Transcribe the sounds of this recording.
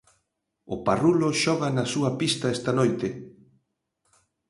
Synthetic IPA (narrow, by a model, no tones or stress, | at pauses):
ʊparuloʃɔɣanasuapist̪aɛst̪anojt̪e